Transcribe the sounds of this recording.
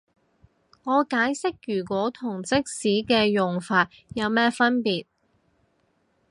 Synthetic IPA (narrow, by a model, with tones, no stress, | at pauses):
ŋɔː˨˧kaː˨˥jsɪ˥k̚jyː˨˩kʷɔː˨˥t̪ʰʊ˨˩ŋt͡sɪ˥k̚siː˨˥kɛː˧jʊ˨ŋfaː˧t̚jɐ˨˧wmɛː˥fɐ˥npiː˨t̚